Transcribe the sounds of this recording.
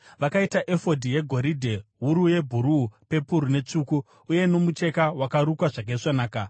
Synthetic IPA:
ʋakaitaʔefo̞dʱije̞ɡʱo̞ɾidʱe̞ɦuɾuje̞bʱuɾupe̞puɾune̞t͡ʂuːku | uje̞no̞mut͡ʃe̞kawakaɾukwaʐak̬eiʂanaːka

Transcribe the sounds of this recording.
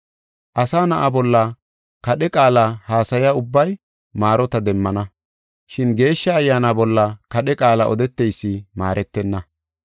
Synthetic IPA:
ʔɐsaːnɐʔabɔlːɐ | kɐɗɛkʼaːlɐhaːsɐjaʊbːɐj | maːɾɔt̪ɐd̪ɛmːɐnɐ | ʃɪnɡe̞ːʃːɐːjːaːnaːbɔlːɐkɐɗɛkʼaːlɐʔɔd̪ɛt̪ːɛjsːɪma̰ːɾʔɛt̪ːɛnːɐ

